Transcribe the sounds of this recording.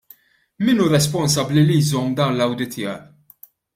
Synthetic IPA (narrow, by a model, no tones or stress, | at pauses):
mɪnuːɾɛspɔnsɐblilijzɔmd̪ɐːnlɐwd̪ɪt̪ʰːɪɐ